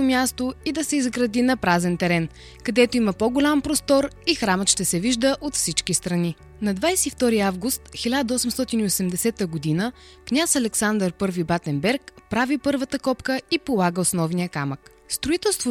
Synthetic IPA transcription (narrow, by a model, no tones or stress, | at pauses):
omʲjast̪oid̪ɐsɛizɡɾɐd̪inɐpɾazɛnt̪ɛɾɛn | kɐd̪ɛt̪oimɐpoɡʊlʲampɾost̪ɔɾixɾamət̪ʃt̪ɛsɛviʒd̪əʔot̪fsit͡ʃk̟ist̪ɾɐni | nɐd̪vajsɛift̪ɔɾiavɡust̪xilʲad̪əɔsɛmst̪ɔt̪iniosɛmd̪ɛsɛt̪əɡod̪inəknʲasɐlɛksand̪əɾpɤɾvibat̪ɛmbɛɾkpɾavipɤɾvət̪əkɔpkəipolˠaɡəosnɔvnijəkamək | st̪ɾoʊit̪ɛlˠst̪vo